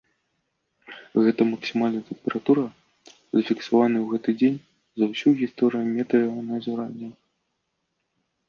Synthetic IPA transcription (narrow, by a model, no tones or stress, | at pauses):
ɣɛt̪ɐmɐksʲimalʲnɐt̪ɛmpʲɛɾat̪uɾɐ | zɐfʲiksavanɨwɣɛt̪ɨd͡zʲenʲ | zɐwsʲuɣʲist̪ɔɾɨjumʲɛt̪ɐjaɣɔnɐɐzuɾanʲːɛ